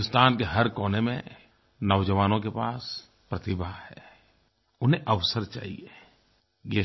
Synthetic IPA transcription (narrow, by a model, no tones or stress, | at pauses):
nʊst̪aːnkeɦɐɾkɔːnemḛ̃ | nɐʋd͡ʒəʋaːnõkepaːs | pɾɐt̪ɪbʱahɛː | ʊnɦẽʔɐʋsəɾt͡ʃa̰ːɦḭe | je